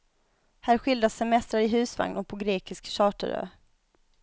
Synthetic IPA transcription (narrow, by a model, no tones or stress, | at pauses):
hæːɾɧɪld̪asːɛmɛst̪ɾaɾɪɦʉ̟ːsva̰ŋnɔpʰɔɡɾeːkɪskɕɑːʈə̰ɾø̰ː